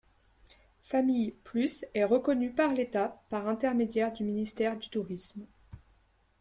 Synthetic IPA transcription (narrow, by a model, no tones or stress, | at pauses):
famijplysɛʁəkɔnypaʁlet̪apaʁɛ̃t̪ɛʁmed̪jɛʁd̪yminist̪ɛʁd̪yt̪uʁism